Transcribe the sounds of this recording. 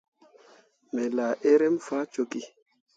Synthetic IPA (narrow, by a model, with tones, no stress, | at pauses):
mɛ˨la˨ʔe˦ɾɛ˦mfa˦t͡ʃo˦ki˦